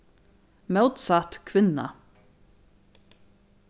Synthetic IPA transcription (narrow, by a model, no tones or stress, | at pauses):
mɛwt̪sat̪kʰvɪnːa̰